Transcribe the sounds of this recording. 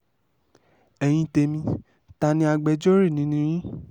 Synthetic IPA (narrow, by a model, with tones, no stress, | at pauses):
ɛ˧j̃ĩ˧te˧mĩ˧ | ta˧nĩ˧˦a˧ɡ͡bɛ˧d͡ʒɔ˦ɾi˦˨nĩ˨˦nĩ˦ɾ̃ĩ˦